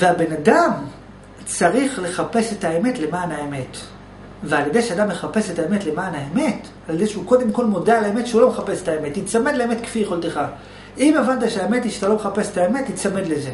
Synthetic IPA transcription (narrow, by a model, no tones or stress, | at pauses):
veabe̞nadam | t͡saʁiχle̞χape̞se̞taeme̞tle̞maːnaeme̞t | vealje̞dejʃead̪amːe̞χape̞se̞taemetlemaːnaeme̞t | aljed̪ejʃeuko̞d̪e̞mko̞lmodalaemet̪ʃeulo̞meχape̞setaeme̞tːit͡samedleemetkfijeχolt̪eχa | ʔimevant̪̬aʃeaemetiʃat̪alo̞meape̞set̪aemetːit͡samedleze